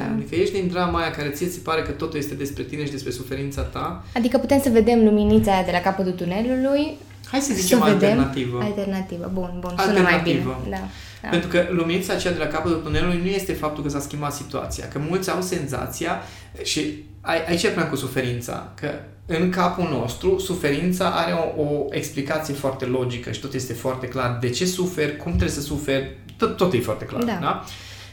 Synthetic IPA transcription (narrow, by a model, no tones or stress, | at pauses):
d̪ikəje̞ʃd̪ind̪ɾamajakaɾe̞t̪sijesepaɾe̞kət̪o̞t̪ujest̪e̞d̪e̞spɾe̞t̪ine̞ʃid̪espɾe̞sufe̞ɾint̪sat̪a | ad̪ikəput̪e̞msəve̞d̪e̞mluminit̪sajad̪e̞lakapət̪ut̪une̞luluj | hajsəzit͡ʃemaedt̪eemnat̪ivəalt̪ernat̪ivə̰bunbunalut̪eɾmajtiivəd̪aa | aent̪ɾukəluminit̪saːt͡ʃejad̪e̞lakapət̪ult̪une̞lulujnuje̞st̪e̞fap̚t̪ulkəs̬askʲimbat̪sit̪ua̰t̪sija̰kəmult̪sʲawse̞nza̰t̪sija | ʃi | aʔait͡ʃapunamkusufe̞ɾint̪sa̰kə | ɨŋkapuno̞st̪ɾusufe̞ɾint̪saʔaɾe̞oʔoe̞ksplikat̪sijefoart̪e̞lo̞d͡ʒikəʃi̥t̪o̞t̪je̞st̪e̞foart̪e̞klard̪e̞t͡ʃe̞sufe̞rʲkumt̪ɾesəsufe̞rʲ | t̪t̪ːo̞t̪jefoart̪e̞kla̰rad̪a